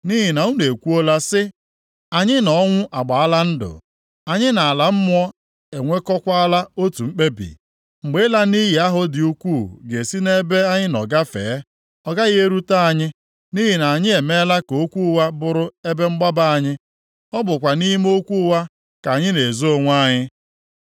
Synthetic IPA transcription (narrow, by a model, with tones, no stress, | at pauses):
ni˦ɦi˨na˨u˦ne˨kʷu˦o˦la˦sɪ˦ | a˨ɲɪ˦nɔ˨ɔ˦ŋʷʊ˦ʔa˨ɡ͡ba˨a˦la˦n̩˦dʊ̰˨ | a˨ɲɪ˦na˨a˨la˨m̩˦mʊ˦ɔ˦ | e˨ŋʷe˦kɔ˦kʷa˦a˦la˦o˦tu˨ŋ͡m̩˦k͡pe˦bḭ˨ | ŋ͡m̩˨ɡ͡be˦la˦ni˦ɦi˨a˦ɦʊ˦dɪ˨u˦kʷu˦˨ɡe˨si˦ne˦be˦a˦ɲɪ˦nɔ˨ɡa˦fḛː˨˦ | ɔ˦ɡa˦ɣɪ˦e˦ɾu˦ta˦a˨ɲɪ˦ | ni˦ɦi˨na˨a˨ɲɪ˦e˨me˦la˦ko˨˦kʷu˦wa˦bʊ˦ɾʊ˦e˦be˦ŋ͡m̩˦ɡ͡ba˦ba˦a˨ɲɪ˦ | ɔ˦bʊ˨kʷa˨ni˦i˦m˦o˦kʷu˦wa˦ | ka˨ɲɪ˦ne˨zo˦o˨ŋʷ˦a˦ɲɪ˦